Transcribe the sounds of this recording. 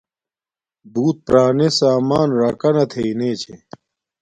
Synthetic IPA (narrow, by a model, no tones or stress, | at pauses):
buːt̪̚pɾaːnesaːmaːnɾaːkɐnɐt̪ʰeineːt͡ɕʰe